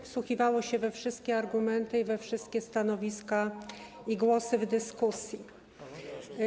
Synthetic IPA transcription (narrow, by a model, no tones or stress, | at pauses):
fswuxʲivawɔɕɛvɛfʂɘst̪̚kʲɛaɾɡumɛnt̪ɘivɛfʂɘst̪̚kʲɛst̪anɔvʲiska | iɡwɔsɘvd̪ɘskusʲji